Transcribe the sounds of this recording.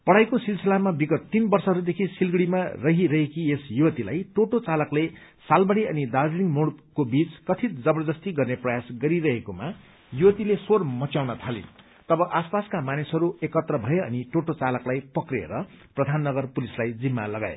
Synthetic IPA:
pʌɽ̤ajkosilselamabiɡʌt̪ːinbʌrsʌɦʌɾud̪ekʰisilɡɽimarʌɦiɾʌɦekiesjuwʌt̪ila̰jʈoʈot͡salʌkle | salbʌɽiʌnid̪aɾiliŋmoɽkobit͡skʌt̪ʰit̪d͡zʌbʌrd̪ʌst̪iɡʌrneprʌjasɡʌɾiɾʌɦekoma | juwʌt̪ilesormʌt͡sjawnʌt̪ʰalḭn | t̪ʌbʌʔaspaskamanisɦʌɾuekʌt̪rʌbʱʌeʌniʈoʈot͡salʌklajpʌkrḛɾʌprʌd̪ʱanːʌɡʌrpulislajd͡zimːalʌɡa̰ḛ

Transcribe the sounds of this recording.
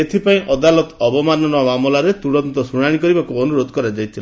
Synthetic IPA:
et̪ʰipaĩʔɔd̪alɔt̪ɔbɔmanɔnɔamamɔlaɾet̪uɽɔnt̪ɔsuɽ̃aɽ̃ikɔɾibakuɔnuɾod̪ʱɔkɔɾad͡ʒajt̪ʰila

